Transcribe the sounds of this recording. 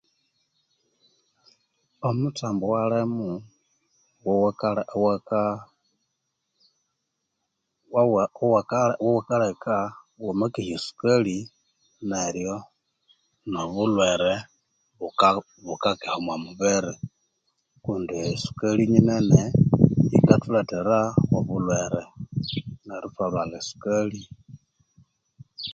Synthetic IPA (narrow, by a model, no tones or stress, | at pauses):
omutaːmbowalemu | wowkaw | wwakawowakaleka | wamakihisu̥kali | neɾjo | noβulweɾe | βu | βukakehomwamuβeɾe | kuːndiisu̥kaliɲineneḭkatulateɾawoβulweɾe | neɾufalwalesu̥kali